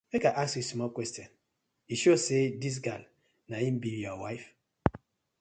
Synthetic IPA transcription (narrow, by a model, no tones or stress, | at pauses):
mekaʔaskusmɔkwɛstjɔ̃n | iʃosedis̬ɡa̰l | naĩm̩bijɔwaɪf